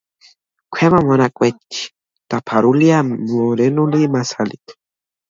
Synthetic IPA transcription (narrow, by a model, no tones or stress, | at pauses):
kʷʰemamanakʼwet̪i̥ | t̪apʰaɾuljamoɾenulimasalḭk̪